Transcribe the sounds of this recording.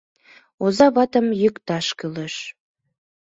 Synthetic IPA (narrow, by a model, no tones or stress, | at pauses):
ozɑβɑt̪əmjykt̪ɑʃkyleʃ